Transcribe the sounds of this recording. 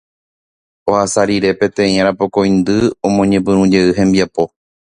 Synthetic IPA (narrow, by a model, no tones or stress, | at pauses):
ohasaɾiɾe̞pẽ̞t̪ẽ̞ĩãɾapo̞ko̞j̃nd̪ɨomõɲẽ̞pɨ̃ɾũd͡ʒe̞ɨɦẽ̞mbiapo̞